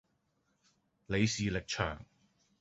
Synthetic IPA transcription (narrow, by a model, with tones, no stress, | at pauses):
le˨˧jsiː˨lɪ˨k̚t͡ʃʰœ̰ː˨˩ŋ